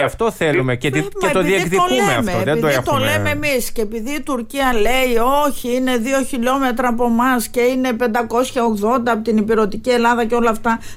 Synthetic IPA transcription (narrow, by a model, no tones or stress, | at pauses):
ɐft̪o̞θelumecet̪cet̪oðiekðiolkumeeɐ̰fmeoðed̪oext̪oolemeemisceːpiðiːt̪uɾciɐle̞io̞çiine̞ðio̞çiʎo̞me̞t̪ɾɐːpo̞mɐsce̞ine̞pe̞nd̪ɐko̞sçɐo̞ɣðo̞nd̪ɐpot̪inipiɾo̞t̪icie̞lɐðɐceo̞lɐft̪ɐ